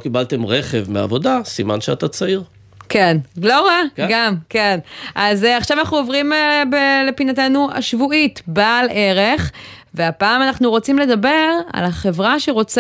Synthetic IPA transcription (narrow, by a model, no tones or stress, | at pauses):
kibalt̪e̞mʁeχevmea̰vo̞dasimanʃeat̪at͡saiʁ | kenɡloʁaɡamkenʔazeaχʃavanaχnuovʁimebelepinatenua̰ʃvuitbale̞ʁeχve̞apaːmanaχnuʁo̞t͡simle̞d̪abe̞ʁa̰laχe̞vʁaʃeʁo̞t͡s